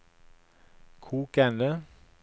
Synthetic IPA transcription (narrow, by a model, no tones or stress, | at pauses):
kʰuːkænlə